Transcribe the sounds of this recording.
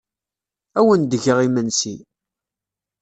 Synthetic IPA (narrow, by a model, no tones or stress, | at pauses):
æwənd̪əʝəʁimənsi